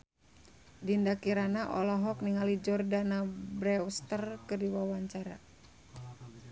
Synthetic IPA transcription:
dindakiɾanaʔɔlɔɦɔkniŋalid͡ʒɔrdanabɾɛust̪ərkɨrdiwawaɲt͡ʃaɾa

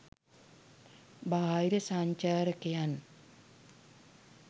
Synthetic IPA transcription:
baaiɾəsaɲt͡ʃaːɾəkejan

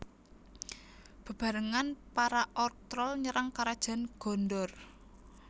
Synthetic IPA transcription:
b̥ə̤b̥a̤ɾəŋanpaɾaʔɔrt̪ɾɔlɲəɾaŋkaɾad̥ʒ̥a̤nɡ̥ɔ̤ndɔr

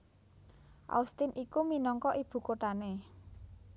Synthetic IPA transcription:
ʔa̰ust̪ɪnʔikuminɔŋkɔʔib̥ṳkoʈ̪ane

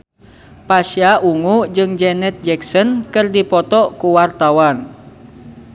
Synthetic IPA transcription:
paʃjaʔuŋud͡ʒɨŋd͡ʒɛnɛt̪̚d͡ʒɛksɔnkɨrdipɔt̪ɔʔkuwart̪awan

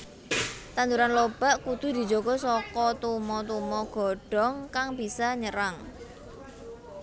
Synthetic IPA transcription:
t̪and̪uɾanlob̥a̤ʔkud̪̥ṳd̪i̤̥d͡ʒo̤ɡɔ̤sɔkɔt̪umɔt̪̬umɔɡ̥ɔ̤ɖ̥ɔ̤ŋkaŋb̥i̤saɲəɾaŋ

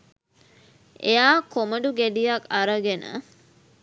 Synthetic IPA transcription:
ḛjaːkoməɖuɡæɖijakaɾəɡenə̰

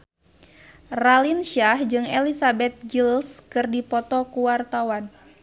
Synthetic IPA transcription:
ralinʃahd͡ʒɨŋɛlisabɛt̪̚ɡilskɨrdipɔt̪ɔkuwart̪awan

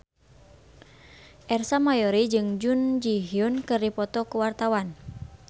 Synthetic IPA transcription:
ʔɛrsamajɔɾid͡ʒɨŋd͡ʒund͡ʒiɦiunkɨrdipɔt̪ɔkuwart̪awan

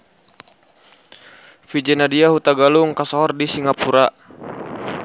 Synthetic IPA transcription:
fid͡ʒɛnadiahut̪aɡaluŋkasɔɦɔrdisiŋapuɾa

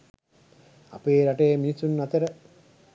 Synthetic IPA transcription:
a̰peːɾaʈejəminisːunːat̪əɾə

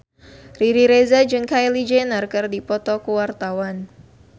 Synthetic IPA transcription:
riɾiɾezad͡ʒɨŋkajlid͡ʒenarkɨrdipɔt̪ɔkuwart̪awan

